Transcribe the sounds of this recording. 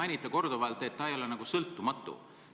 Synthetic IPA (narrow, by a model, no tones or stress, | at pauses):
ɑjnʲit̪ˑːɑko̞rd̪̥ovɑelt̪ːˑe̞t̪ːɑejo̞lenɑɡ̥usɤlt̪ːˑumɑt̪ːˑṵ